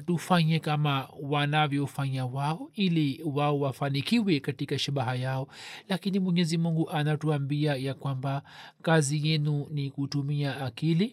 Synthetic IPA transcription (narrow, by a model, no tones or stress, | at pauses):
tufaɲɛkamawanavjɔfaɲawaɔiliwaɔwafanikiwɛkatikaʃaɓaɦajaɔlakinimwɛɲɛzimuŋɡuʔanatuambiajakwambakazijɛnunikutumiaːkili